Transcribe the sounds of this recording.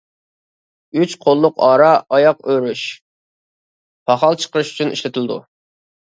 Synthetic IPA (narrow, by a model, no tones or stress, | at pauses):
yt͡ʃqʰolˠːʊqɑːɾɑɑjɑqøɾyʃ | pʰɑχɑlˠt͡ʃʰə̥qəɾɨʃy̥t͡ʃʰynʔḭʃlɪt̪ʰɪld̪ṵ